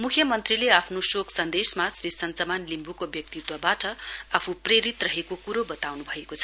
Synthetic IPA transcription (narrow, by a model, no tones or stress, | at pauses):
mukʰjʌmʌnt̪rileapʰnosoksʌnd̪esmasrisʌnt͡sʌmanlimbʱukobjʌk̚t̪it̪wabaʈʌapʰupreɾit̪rʌɦekokuɾobʌt̪awnubʱʌekot͡sʰʌ̥